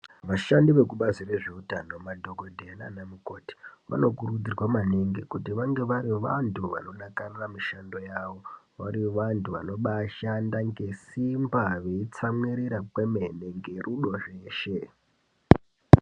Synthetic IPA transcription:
ʋaʃandiʋe̞kuɓazire̞ʐeutano̞madʱo̞ɡʱodʱena̰namuko̞ti̥ʋa̰no̞kurud͡zirwamaneŋɡekutiʋaŋɡe̞ʋaɾiʋantʰuʋa̰no̞nakariramiʃando̞jaːʋo̞ | ʋaɾiʋantuʋa̰no̞ɓaʃandaŋɡe̞simbaʋe̞it͡samwiɾiɾapwe̞me̞neŋɡe̞ruɗo̞ʐe̞ːʃe̞

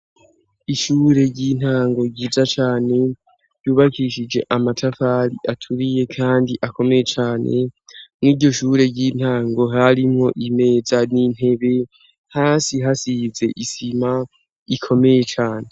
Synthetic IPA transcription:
iʃuːɾe̞ɾɟiːn̥haːŋɡo̞ɟiːzat͡ʃaːne̞ | ɾɟuːβakiʃid͡ʒe̞ʔamatʰafaɾiʔatʰuɾije̞kʰaːndiʔako̞me̞je̞t͡ʃaːne̞̰mŋiːɟo̞ʃuːɾe̞ɟiːn̥haːŋɡo̞ɦaɾimŋo̞ʔime̞ːzanin̥he̞βe̞ | haːsiɦasize̞ʔisima | ikʰo̞me̞je̞t͡ʃaːne

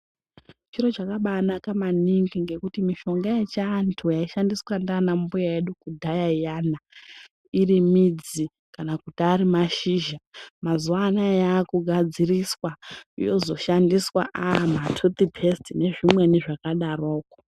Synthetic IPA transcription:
t͡ʃiɾo̞t͡ʃakaɓanakamaniŋɡiŋɡe̞kutimiʃo̞ŋɡajet͡ʃaːntʰujaiʃandiswandanambujaeɗukudʱajajana | irimid͡zi | kanakutaːɾimaʃiʒamazuanajaːkuɡʱad͡ziriswaijo̞zo̞ʃandiswa̰ʔamatʰut̪ipʰestine̞ʐimweniʐakaɗaroːko

